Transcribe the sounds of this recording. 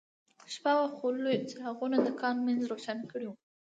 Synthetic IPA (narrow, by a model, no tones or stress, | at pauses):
ʃpawaxolojt͡sehaɣunad̪əkɑnmanzɾoʃanakəɽiwu